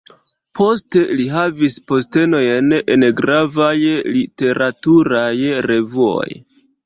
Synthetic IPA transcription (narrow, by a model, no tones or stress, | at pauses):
pʰo̞ste̞liɦavispo̞ste̞no̞jenenɡɾavajlite̞ɾʔatuɾajɾe̞vuo̞̰j